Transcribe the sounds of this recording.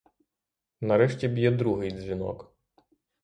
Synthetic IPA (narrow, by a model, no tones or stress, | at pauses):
nɐɾɛʃtʲibʲjɛd̪ɾuɦɪjdzʲʋʲinɔ̰k